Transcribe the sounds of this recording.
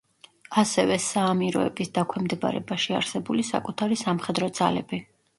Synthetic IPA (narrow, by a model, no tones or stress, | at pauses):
asɛvɛsaːmiɾɔ̰ɛ̰bisd̪akʷʰwɛmd̪ɛba̰ɾɛ̰baʃia̰ɾsɛbulisa̰kʼut̪ʰaɾisamχɛd̪ɾɔd̪z̥a̰lɛbi